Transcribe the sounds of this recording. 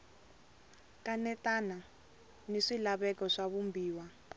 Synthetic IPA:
kanɛtana | niʂilaβɛkɔʂaβumbiːwa

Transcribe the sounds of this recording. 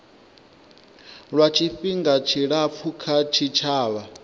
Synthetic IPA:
ɺwat͡ʃʰiɸiŋɡat͡ʃʰiɺap̪fʰukʰat͡ʃʰit͡ʃʰaːβa

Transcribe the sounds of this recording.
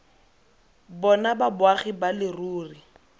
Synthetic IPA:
bɔnababʊaχibalɪruːri

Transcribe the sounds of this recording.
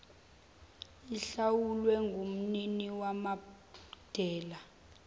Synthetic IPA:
iɬawulwɛŋɡʱom̩niniwama | d̥ʱɛːla

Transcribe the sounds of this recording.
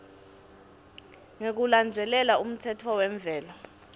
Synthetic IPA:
ŋek̬uland͡zʱɛlɛlaum̩tʰɛtʰɔwɛɱb̪vʱɛːla

